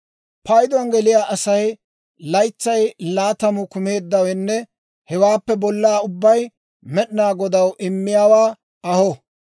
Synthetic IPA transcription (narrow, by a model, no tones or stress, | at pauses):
pɐjd̪ʊɐnɡɛlɪjaːʔɐsɐj | lɐjt͡sːɐjlaːt̪ɐmʊkʊme̞ːd̪ːɐwɛnːɛ | hɛwaːpːɛbɔlːaːʊbːɐj | mɛɗɪnaːɡɔd̪ɐwʔɪmːɪjaːwaː | ɐhɔ